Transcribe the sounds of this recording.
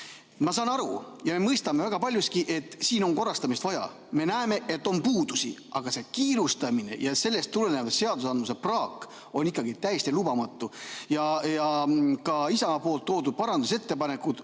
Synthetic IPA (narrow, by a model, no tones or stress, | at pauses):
mɑsɑːnɑɾujɑmemɤjst̪ɑme̞væɡ̥ɑpɑlʲjuskiʔe̞t̪ːˑsiːno̞nko̞rːɑst̪ɑmist̪vɑjɑ̰ | me̞næeme̞ʔe̞t̪ːˑo̞npuːd̪̥usḭʔɑɡ̥ɑse̞kiːɾust̪ɑmine̞̰jɑse̞lːe̞st̪ːulenevɑsse̞ɑd̪usɑnd̪muse̞prɑːkːˑ | o̞nikːˑɑɡit̪æjest̪ilubɑmɑt̪ːˑujɑjɑkɑisɑmɑpo̞ːlt̪ːo̞ːd̪ud̪̚pɑɾɑnd̪use̞t̪ːe̞pɑne̞kud̪̥